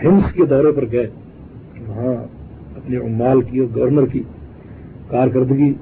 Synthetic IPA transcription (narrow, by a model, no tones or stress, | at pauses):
hɪ̃msked̪ɔːɾepɐɾɡɐe | ʋɐɦã | ɐpneʊmːaːlkioːɡɐʋəɾnəɾki | kaːɾkɐɾd̪ɡi